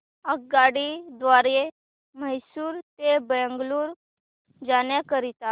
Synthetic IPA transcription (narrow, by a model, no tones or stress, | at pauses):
ək̚ɡaːɽid̪ʋaːɾe | məjsuːɾt̪ebɛŋɡluːɾ | d͡ʒaːnjakəɾit̪a